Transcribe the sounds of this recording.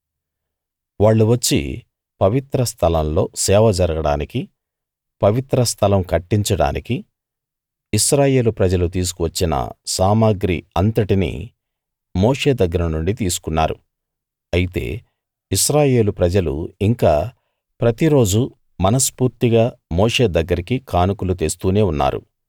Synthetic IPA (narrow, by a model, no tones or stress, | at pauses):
ʋaːɭːuʋɐt͡ʃːḭ | pɐʋit̪ɾɐst̪ʰɐlɐmlo̞ːsɛːʋɐd͡ʒɐɾɐɡɐɽa̰ːniki | pɐʋit̪ɾɐst̪ʰɐlɐmkɐʈːiɲt͡ʃɐɽa̰ːnʔiki | iʃɾaːje̞ːlupɾɐd͡ʒɐlut̪iːs̬u̥kuʋɐt͡ʃːinɐ̰saːmaːɡɾḭɐnt̪ɐʈinḭ | mo̞ːʂe̞ːd̪ɐɡːɐɾɐnuɳɖit̪iːsu̥kunːa̰ːɾṵ | ɐjit̪e̞̰ː | iʃɾaːje̞ːlupɾɐd͡ʒɐlṵiŋkaː | pɾɐt̪iɾo̞ːd͡ʒu | mɐnɐspuːɾt̪iɡaːmo̞ːʂe̞ːd̪ɐɡːɐɾikikʰaːnukulut̪eːst̪uːneːunːa̰ːɾṵ